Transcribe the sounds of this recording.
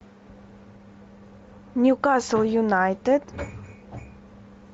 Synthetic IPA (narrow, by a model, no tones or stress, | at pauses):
njukasəl̩ˠjunaɪtəd̥